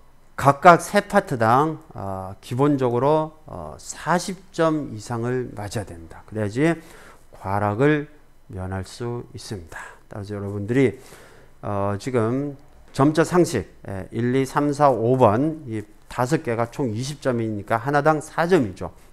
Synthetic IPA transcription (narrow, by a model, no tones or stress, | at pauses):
kak̚k͈ak̚sʰe̞pʰatʰɯdaŋʌkibond͡ʑʌɡɯɾoʌ̰sʰaɕʰip̚t͡ɕ͈ʌmisʰaŋɯɭmad͡ʑijadwendakɯɾead͡ʑi | kwaɾaɡɯɭ | mjʌnɦaɭs͈uis͈ɯmɲid̥ḁt͈aɡas̬ʰʌjʌɾʌbundɯɾi | ʌt͡ɕiɡɯm | t͡ɕʌmt͡ɕ͈ʌsʰaŋɕʰik̚ḛiɭːisʰamsʰaobʌni | tas̬ʰʌk͈e̞ɡat͡ɕʰoŋiɕʰip̚t͡ɕ͈ʌmiɲik͈aɦanadaŋsʰad͡ʑʌmid͡ʑo̰